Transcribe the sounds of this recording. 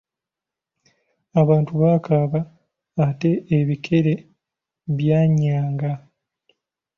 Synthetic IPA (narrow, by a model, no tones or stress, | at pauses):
aβaːntuβaːkaβaː | te̞ʔːβikʰe̞ɾe̞ | βjaːɲaːŋɡa